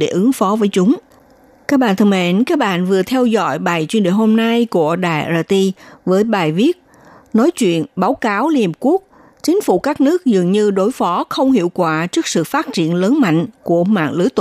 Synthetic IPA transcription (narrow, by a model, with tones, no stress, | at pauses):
ɗe˧˩ʔɨ˨˦əŋfɔ˨˦vəː˨˦jt͡ɕʊ˨˦ŋ͡m | kaː˦˥k̚ɓa̰ː˧˨nt̪ʰɨ˧˩mḛ˧˨nkaː˦˥k̚ɓa̰ː˧˨nvɨ˨˩ət̪ʰɛ˧wzɔ̰˧˨jɓaː˨˩jt͡ɕwi˧ənɗḭ˧˩ho˧mna˧jku˧˩əɗa̰ː˨˩jaː˧t̪i˧vəː˨˦jɓaː˨˩jvi˦˥ət̚ | nɔ˨˦jt͡ɕwḭ˧˨ənɓaː˨˦wkaː˨˦wli˧hi˨˩p̚ku˦˥ək̚ | t͡ɕï˨˦ŋ̟fṵ˧˩kaː˦˥k̚nɨ˦˥ək̚zɨ˨˩ŋɲɨ˧ɗo˨˦jfɔ˨˦xə˧wŋ͡mhḭ˧˨əwkwaː˧˩t͡ɕɨ˦˥ək̚sɨ̰˧˨faː˦˥t̚t͡ɕḭ˧˨ənləː˨˦nma̰˧˨jŋ̟ku˧˩əma̰ː˧˨nlɨ˨˦jt̪